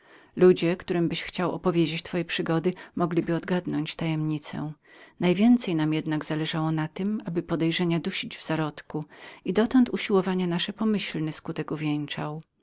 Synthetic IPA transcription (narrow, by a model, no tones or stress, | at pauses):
lud͡ʑɛkt̪uɾɘmbɘɕxt͡ɕawɔ̰pɔvʲjed͡ʑet͡ɕt̪fɔjɛpʂɘɡɔd̪ɘmɔɡlʲibɘɔd̪ɡad̪nɔɲt͡ɕt̪ajɛmɲit̪sɛ̰najvʲjɛnt̪sɛjnamjɛd̪naɡz̥alɛʐawɔnat̪ɘmabɘpɔd̪ɛjʐɛɲad̪uɕid͡ʑvz̥aɾɔt̪kuid̪ɔt̪ɔnt̪uɕiwɔvaɲɛnaʂɛpɔmɘɕlnɘskut̪ɛkuvʲɛɲt͡ʂaw